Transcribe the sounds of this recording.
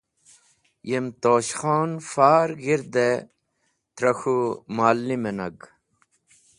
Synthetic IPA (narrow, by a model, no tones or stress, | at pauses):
jemt̪oːɕχoːnfaːɾɡiɾd̪e | t̪ɾɐxumaːlːimenɐ̰ɡ